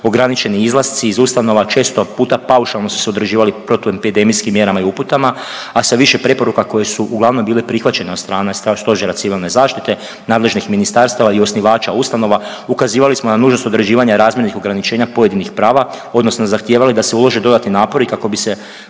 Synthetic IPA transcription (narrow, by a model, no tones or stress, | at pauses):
o̞ɡɾanit͡ʃe̞niizlˠast̪siːzust̪ano̞ʋat͡ʃe̞ːst̪o̞puːt̪apauʃalˠnosu̥seod̪ɾed͡ʑiːʋalipɾot̪uepid̪emijskimːje̞ɾamaiuput̪ama | asaʋiʃe̞pɾe̞po̞ɾukako̞je̞suʔuɡlˠaʋno̞mbiːlepɾixʋat͡ɕe̞neost̪ɾaːnest̪st̪o̞ʒeɾat̪siʋilˠne̞zaːʃt̪it̪e̞ | naːd̪le̞ʒnixminist̪aɾst̪aʋaio̞sniʋaːt͡ʃaust̪ano̞ʋa | ukaziːʋalismonanuːʒnost̪od̪ɾe̞d͡ʑiːʋaɲaɾaːzmjeɾnixo̞ɡɾanit͡ʃe̞ːɲapo̞je̞d̪inixpɾaːʋa | o̞d̪no̞snozaxt̪je̞ːʋalid̪aseulo̞ʒe̞d̪o̞d̪at̪ninaːpo̞ɾikako̞bise̞